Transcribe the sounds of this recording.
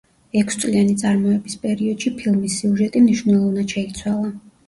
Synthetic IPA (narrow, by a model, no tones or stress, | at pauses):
ɛkʰst̪sʼlianit̪sʼaɾmɔɛbispʼɛɾiɔd̪̥ʃipʰilˠmisːiuʒɛt̪ʼimniʃwvnɛlˠɔvnad̪ʃɛit̪sʰwalˠa